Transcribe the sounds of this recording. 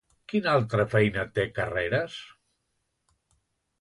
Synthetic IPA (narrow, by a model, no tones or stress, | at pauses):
kinalˠt̪ɾəfɛjnət̪ekəreɾəs